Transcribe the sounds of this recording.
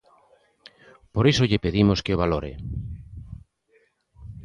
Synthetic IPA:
poɾisoʎɪpeðimoskeoβ̞aloɾḛ

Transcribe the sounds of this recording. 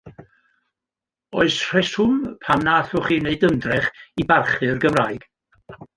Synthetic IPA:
ɔɨsr̥ɛsʊmpʰamnaːθʊχiːneɨdəndrɛχibarχɨrɡəvraɨɡ̥

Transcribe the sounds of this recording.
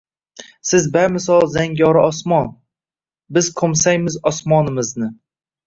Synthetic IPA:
sɪzbaɾmɪsɒlˠzaŋɡʲɒɾɪɒsmɒn | bɪzkʰomsajmɪzɒsmɒnɪmɪznɪ

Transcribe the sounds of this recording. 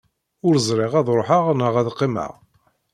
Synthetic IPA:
ʊɾəzˤɾˤeʁæðɾˤoħəʁnəʁæðqːimə̰ʁ

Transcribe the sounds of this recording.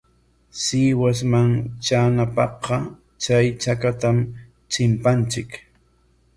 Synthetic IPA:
siːwasmaŋt͡ʃaːnapɑɢɑ | t͡ʃajt͡ʃakat̪am | t͡ʃɪmpant͡ʃɪk

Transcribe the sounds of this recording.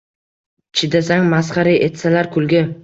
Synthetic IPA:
t͡ʃʰɪd̪asaŋmasχɑɾɪet̪salaɾkʰʊlɡʲɪ

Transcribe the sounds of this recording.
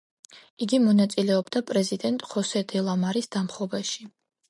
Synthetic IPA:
iɡimɔnat̪sʼilɛɔbd̪apʼɾɛzid̪ɛnt̪ʼχɔsɛd̪ɛlˠamaɾisd̪amχɔbaʃi

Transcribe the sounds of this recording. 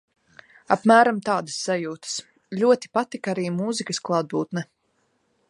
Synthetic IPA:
a̰pmæːɾamt̪aːd̪əsːajuːt̪ə̥s | ʎʲuɔt̪i̥pat̪ikaɾiːmuːzikəsklˠaːd̪̚buːt̪nɛ

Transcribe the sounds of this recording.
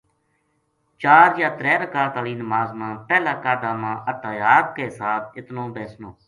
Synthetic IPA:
t͡ʃaːɾjaːt̪ɾɛːɾəkaːt̪aːliːnəmaːzmãːpɛːlaːkaːd̪aːmãːʔət̪aːjaːt̪̚keːsaːt̪̚ʰɪt̪nõːbeːsnoː

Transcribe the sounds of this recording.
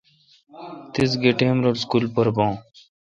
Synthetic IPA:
t̪is̬ɡeʈẽːmɾolskulpɐɾbõː

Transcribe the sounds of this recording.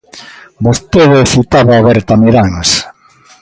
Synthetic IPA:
bost̪eðsit̪aβaːβɛɾt̪ameɾaŋs

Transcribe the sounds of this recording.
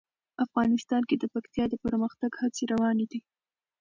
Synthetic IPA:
afɣɑnɪst̪ɑnked̪əpakt̪jɑd̪əpəɾməxt̪aɡhat͡seɾawɑned̪i

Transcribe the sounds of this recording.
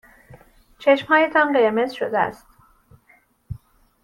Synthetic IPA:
t͡ʃʰe̞ʃmhɒːje̞t̪ʰɒnɢeɾme̞zʃod̪eæ̰st̪

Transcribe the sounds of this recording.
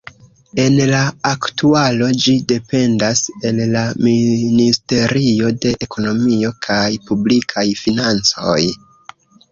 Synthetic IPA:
e̞nlaːktualo̞d͡ʒide̞pe̞ndase̞nlaministe̞ɾio̞de̞ʔekʰo̞no̞mio̞kʰajpublikʰajfinant͡so̞̰j

